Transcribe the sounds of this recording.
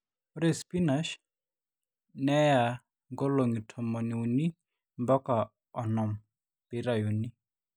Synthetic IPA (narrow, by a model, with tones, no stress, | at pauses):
ʊ˦ɾɛ˨spi˦na˨ʃ | nɛ˦ja˨ | ŋɡɔ˦lo˨ŋi˨tʰɔ˨mɔ˨ni˨u˨ni˦ | mbɔ˦ka˨ | ɔ˨nɔ˨m | pi˨ɾa˨ju˨ni˦